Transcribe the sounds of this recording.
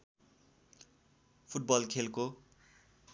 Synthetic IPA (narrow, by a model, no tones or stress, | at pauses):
pʰuʈ̚bʌlkʰelko